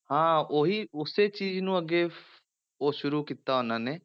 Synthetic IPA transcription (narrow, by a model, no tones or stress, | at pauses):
hãːoːɦiːʊseːt͡ʃiːznũːəɡeː | oːʃʊɾuːkiːt̪aːɦʊnãːneː